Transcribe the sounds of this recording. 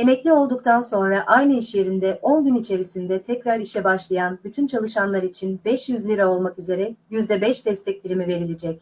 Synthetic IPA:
e̞mɛclʲio̞lˠd̪uk̚t̪ʰanso̞nɾaʔajnɯiʃje̞ɾind̪ɛʔo̞nɟynit͡ʃʰe̞ɾisind̪ɛt̪ʰɛcɾaɾiʃɛbaʃlˠajanbyt̪ʰynt͡ʃʰalˠɯʃanlˠaɾit͡ʃʰinbɛʃjyzlʲiɾao̞lˠmakyze̞ɾɛjyzd̪ɛbɛʃd̪ɛst̪ʰɛc̚bʲiɾimive̞ɾilʲed͡ʒɛc̚

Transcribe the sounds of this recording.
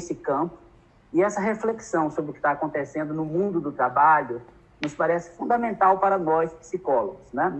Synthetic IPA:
sɪkɐ̃pʊ̥ | ɪɛsɐɦefleksɐ̃w̃sobɾɪʊkɪ̥t̪aːkõnt̪esẽnd̪ʊnʊmũd̪ʊd̪ʊt̪ɾabaʎʊ | nʊspaɾɛsɪ̥fũnd̪ɐmẽnt̪awpaɾɐnɔspi̥sikɔloɡʊsnɛ

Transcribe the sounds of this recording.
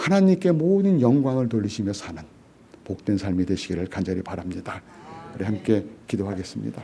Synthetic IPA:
hanaɲimk͈e̞moːdɯnjʌŋɡwaŋɯɭtoʎːiɕʰimjʌsʰanɯn | pok̚t͈we̞nsʰaɭmidwe̞ɕʰiɡiɾɯɭkand͡ʑʌɾipaɾamɲidakɯɾihamk͈e̞kidoɦaɡe̞s͈ɯmɲḭda

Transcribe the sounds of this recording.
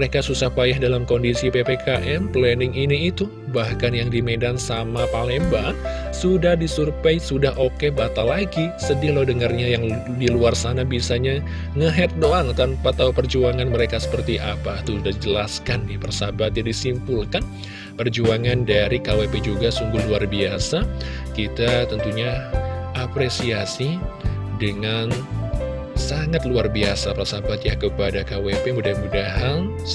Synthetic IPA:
məɾekasusahpajahdalamkoɔndisipepekaʔɛmplɛnɪŋiniːt̪u | bahkanjaŋdimedansamapalɛmbaŋ | sudahdisurpajsudahokebat̪alaɡisədɪlawdəŋarɲajaŋ | diluarsanabiasaɲa | ŋəɦɛt̪̚doaŋt̪anpat̪aupərd͡ʒuaŋanməɾekasə̥pərt̪iʔa̰pat̪uudahd͡ʒəlaskanjapərsabat̪̚jadisimpulkan | pərd͡ʒuaŋandaɾikaweped͡ʒuɡasuŋɡʊhluarbiasa | kit̪at̪ənt̪uɲaapɾesiasidəŋan | saŋat̪luarbiasapərsabat̪jakəpadakawepemudahmudaɦan

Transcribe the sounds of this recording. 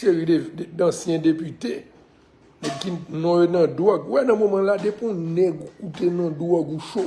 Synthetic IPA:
ʃeɣiedãsjɛ̃depyte | nɛkinɔ̃jonɐ̃dwɔɡwɛnɐ̃momãladepũnɛɡkutenɐ̃dwɔɡuʃo

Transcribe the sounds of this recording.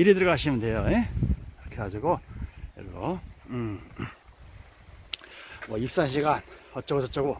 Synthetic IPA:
iɾɯdɯɭɡʌɦaɕʰimɯndwejojekɾʌkʰeɡad͡ʑuɡoʌ̰ɡoɯ | mʌip̚s͈anɕ̬ʰiɡanhʌt͡ɕ͈ʌɡot͡ɕʰʌt͡ɕ͈ʌɡo

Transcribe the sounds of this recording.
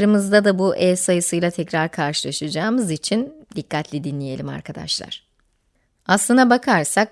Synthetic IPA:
ɾɯmɯzd̪ad̪abuʔɛsajɯsɯjlˠat̪ʰɛcɾaɾkʰaɾʃɯlˠaʃɯd͡ʒaːmɯzit͡ʃʰind̪ikːat̪ʰlʲid̪inlʲije̞lʲima̰ɾkʰad̪a̰ʃlˠa̰ɾ̥ | aslˠɯnd̪abakʰaɾsak̚

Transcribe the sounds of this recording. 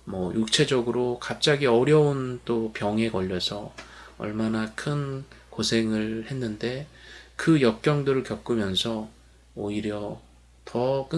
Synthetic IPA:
mʌjuk̚t͡ɕʰe̞d͡ʑʌɡɯɾokap̚t͡ɕ͈aɡiʌɾjʌunt͈opjʌŋe̞kʌʎːʌsʰʌʌ̰ɭmanakʰɯnkosʰe̞ŋɯɭhe̞nːɯnde̞kɯjʌk̚k͈jʌŋdɯɾɯɭkjʌk͈umjʌnsʰʌ | oiɾjʌ | tʌk͈ɯ

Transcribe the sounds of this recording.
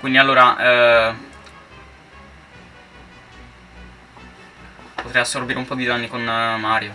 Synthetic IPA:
kwind̪ialːoːɾaʔ | pot̪ɾɛjasːorbiːɾeumpɔd̪id̪anːikonmaːɾjo

